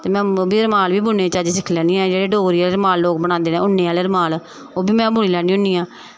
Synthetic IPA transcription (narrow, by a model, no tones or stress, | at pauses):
t̪eːmɛ̃ːbiːəɾmaːlʋiːbʊnẽːt͡ʃaːd͡ʒsɪkʰlɛːnĩːɛ̃ːd͡ʒeːɽeːɖoːɾiːaːleɾmaːlloːk̚bəɽãːnd̪eːnẽːʊnːẽːaːleːəɾmaːlː | oːbiːmɛ̃ːbʱʊɳiːlɛːnĩːʊ̃niːãː